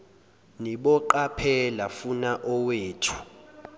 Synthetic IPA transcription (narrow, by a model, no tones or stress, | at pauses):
niɓɔǃapʰɛlafunaʔɔweːtʰu̥